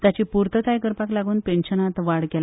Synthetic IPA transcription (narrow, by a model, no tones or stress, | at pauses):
t̪jat͡ɕiːpuɾt̪ət̪ʰajkəɾpaklaɡuːnpenɕənat̪ʋaɽkel